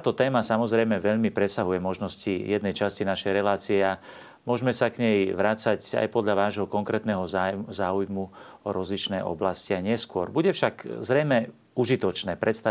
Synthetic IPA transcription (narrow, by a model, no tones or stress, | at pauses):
t̪aːt̪ɔt̪ɛːmasamɔzɾɛjmɛʋɛʎmipɾɛsaɦujɛmɔʒnɔscijɛd̪nɛjt͡ʃascinaʃɛjɾɛlaːt͡siɛa | mʊɔʒmɛsakɲɛjʋɾat͡saca̰jpɔd̪ʎaʋaːʒɦɔkɔŋkɾɛːt̪nɛɦɔzaːujmuɔɾɔzlit͡ʃnɛjʔɔ̰blasciaɲɪɛskʊɔɾbuɟɛfʃakzɾɛjmɛ | uʒit̪ɔt͡ʃnɛːpɾɛt̪st̪a